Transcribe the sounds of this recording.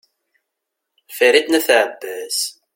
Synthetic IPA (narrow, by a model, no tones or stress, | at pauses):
fiɾid̪næθʕəbːæs